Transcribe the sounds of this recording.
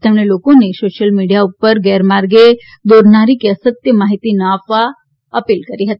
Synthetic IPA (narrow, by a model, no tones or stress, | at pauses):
t̪eɛmɽelokonesoʃəlmiɖijaupːəɾɡɛɾmaɾɡe | d̪oːɾnaɾikeəsət̪jəmaɦit̪inəafa | əpiːlkəɾiɦət̪i